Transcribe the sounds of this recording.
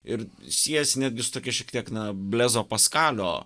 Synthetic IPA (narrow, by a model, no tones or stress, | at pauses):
ɪɾsʲiɛsʲnʲæːd̪ʲɡʲɪsʊ̥t̪oːkʲɛʃʲɛkt̪ʲiɛknɐbʲlʲæːzoːpɐskɑːlʲo̰ː